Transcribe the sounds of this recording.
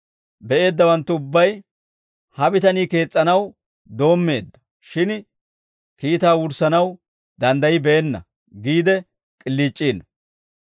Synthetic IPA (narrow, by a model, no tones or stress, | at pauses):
bɛʔe̞ːd̪ːɐwɐnt̪ːʊʊbːɐj | hɐbɪt̪ɐniːke̞ːt͡sʼːɐnɐw | d̪o̞ːmːe̞ːd̪ːɐ̥ | ʃɪn | kiːt̪aːwʊɾsɐnɐw | d̪ɐnd̪ɐjɪbɛɛnːɐ̰ | ɡiːd̪ɛ | kʼɪlːiːt͡ʃʼːiːn